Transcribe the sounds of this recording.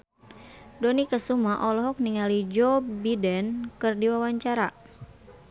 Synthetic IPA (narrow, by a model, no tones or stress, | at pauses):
dɔnikəsumaʔɔlɔɦɔk̚niŋalid͡ʒɔbidɛnkɨrdiwawaɲt͡ʃaɾa